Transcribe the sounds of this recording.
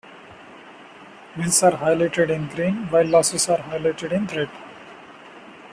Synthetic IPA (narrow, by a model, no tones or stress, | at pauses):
ʋɪ̃nsaːɾɦaɪlaɪʈeɖɪ̃nɡɾĩːnʋaɪlːɔːsesaːɾɦaɪlaɪʈeɖɪ̃nt̪ʰɾeɖ